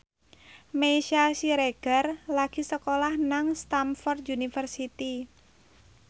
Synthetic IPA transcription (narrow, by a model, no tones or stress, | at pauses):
meʃasiɾeɡ̥ərlaɡ̥i̤səkolahnaŋst̪amfɔrt̪unifərsit̪i